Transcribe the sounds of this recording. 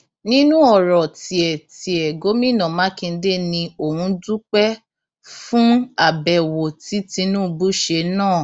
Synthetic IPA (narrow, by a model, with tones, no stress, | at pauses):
nĩ˦nũ˦ɔ˦˨ɾɔ˨ti˨ɛ˨ti˨ɛ˨ɡo˨˦mĩ˦˨nã˨mã˨˦kĩ˧n̩˧de˦nĩ˧o˨hũ˧˦du˦k͡pɛ˦ | fũ˦a˦˨bɛ˨wo˨ti˨˦tĩ˧nũ˦˧bu˦ʃe˧nãː˦˨